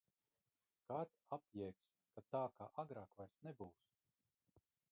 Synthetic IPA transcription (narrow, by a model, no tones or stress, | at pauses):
kat̪apjɛks | kat̪aːkaːʔaɡɾaːkvajɾsnɛbuːs